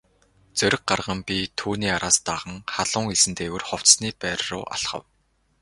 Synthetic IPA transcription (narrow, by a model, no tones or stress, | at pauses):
t͡sœɾʲɪ̆k̚ɢarʁə̆mpʲit̪ʰuːniːaɾaːst̪aʁə̆ŋχaɮʊːŋeɮsɘ̆nt̪ewɘ̆rχɔw̥t͡ssniːpæːɾrʊ̰ːʔa̰ɮχə̰̆w